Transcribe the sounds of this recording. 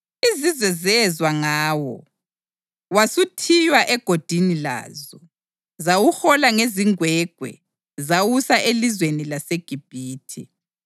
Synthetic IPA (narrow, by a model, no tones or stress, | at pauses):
izizwɛzɛzwaŋaːwɔ̰ | wasutʰijwaʔɛɡ̥ʱod̥ʱinila̰ːzɔ | zawuxɔlaŋeziŋwɛːɡ̥ʱwɛ̰ | zawusaʔelizwenilaseɡ̥ʱib̥ʱiːtʰḭ